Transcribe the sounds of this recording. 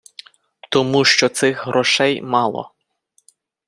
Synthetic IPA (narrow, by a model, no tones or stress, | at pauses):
t̪ɔmuʃt͡ʃɔt̪sɪxɦɾʔɔʃɛjmɑlˠɔ̰